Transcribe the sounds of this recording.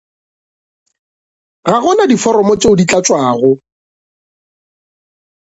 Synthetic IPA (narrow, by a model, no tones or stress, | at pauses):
ɣaɣʊnadifɔɾɔmɔt͡ʃʼeʊdit͡ɬʼat͡ʃʼwaːɣʊ